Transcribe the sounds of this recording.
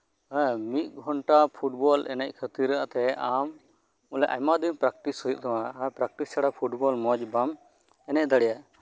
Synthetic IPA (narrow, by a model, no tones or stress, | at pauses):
mit̪̚ˀɡʱɔɳʈapʰuʈ̚bɔlʔɛ̰nɛc̚ˀkʰət̪iɾːaa̰ʔt̪ɛam | ulɛʔa̰mad̪inpɾak̚ʈishɔjuʔ̚t̪ʰawãpɾak̚ʈissaɽapʰuʈbɔlmɔd͡ʒbam | ɛnɛc̚d̪aɽɛja